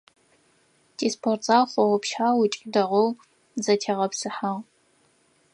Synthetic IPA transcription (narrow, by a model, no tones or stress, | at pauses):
tʼiːspʰortʼzaːwχʷɔwʊpʃħaːwʊt͡ʃʼidɐʁow | zɐtʰeʁɐpsɨħaʁ